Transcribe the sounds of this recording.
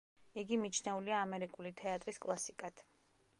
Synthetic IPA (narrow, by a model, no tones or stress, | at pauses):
iɡimit͡ʃʰnɛuliaːmɛɾikʼulit̪ʰɛat̪ʼɾiskʼlˠasikʼat̪ʰ